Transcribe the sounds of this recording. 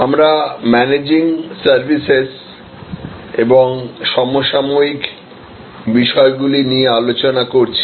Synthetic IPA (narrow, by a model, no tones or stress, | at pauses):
amɾamɛned͡ʑiŋsaɾbʱises | eboŋʃɔmoʃamoik | biʃɔeɡulinijealot͡ɕonakoɾt͡ɕʰi̥